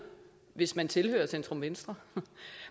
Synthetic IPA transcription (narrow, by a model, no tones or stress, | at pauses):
ʋe̝smænt͡sʰe̝lhø̰ːɐsendt͡sʁɔmʋensd̥ʁɐ